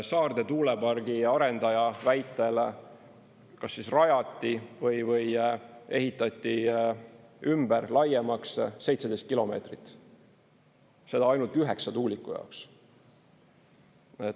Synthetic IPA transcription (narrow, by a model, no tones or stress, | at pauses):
sɑːrd̪̥e̞t̪uːle̞pɑrɡ̥iɑɾe̞nd̪̥ɑjɑvæjt̪ːˑe̞l | kɑsːisrɑjɑt̪ːˑivɤjvɤje̞ɦit̪ːˑɑt̪ʲˑːi | ymberlɑjemɑksse̞jt̪se̞d̪e̞st̪̚kilo̞me̞̰ːt̪rit̪ːˑ | se̞d̪̥ɑɑjnult̪yɦe̞ksɑt̪uːlikːˑujɑ̰oks | e